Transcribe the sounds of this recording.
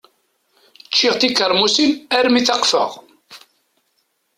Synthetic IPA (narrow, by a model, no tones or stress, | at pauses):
t͡ʃːiʁt̪ikəɾˤmusinæɾmiθɑqfə̰ʁ